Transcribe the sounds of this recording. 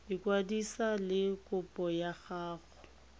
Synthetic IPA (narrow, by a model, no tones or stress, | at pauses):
ɪkwadisalɪkʼʊpʼɔjaɣaːɣɔ̥